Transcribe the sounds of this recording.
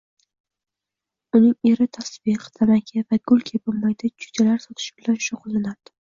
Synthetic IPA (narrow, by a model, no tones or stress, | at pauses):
ʊnɪŋe̞ɾɪt̪ʰasbiqʰt̪ʰamakʲʰavaɡʊlˠkʲʰebolmajd̪at͡ʃʰʊ̥d͡ʒalaɾsɒt̪ʰɪ̥ʃɪb̥ɪlanʃʊqlɪnaɾd̪̥ɪ̥